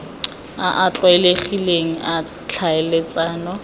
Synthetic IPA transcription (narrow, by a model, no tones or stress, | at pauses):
aʔat͡ɬʼwɛleχileŋ̩a | t͡ɬʰaɛlet͡sʼaːnɔ